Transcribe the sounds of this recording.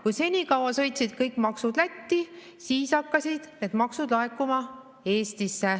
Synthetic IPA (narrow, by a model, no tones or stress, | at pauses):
kujse̞nʲikɑwɑsɤ̞jt̪sid̪̥̚kɤjkmɑksud̪̥læt̪ːi | siːsɑkːɑsid̪̥ne̞d̪mɑksud̪̥lɑekːˑumɑ | e̞ːst̪isːe